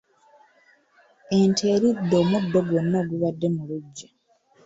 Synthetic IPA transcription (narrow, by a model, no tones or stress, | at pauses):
e̞ntʰe̞ːɾidːo̞ːmudːo̞ɡwo̞nːoɡuβadːe̞muluɟːa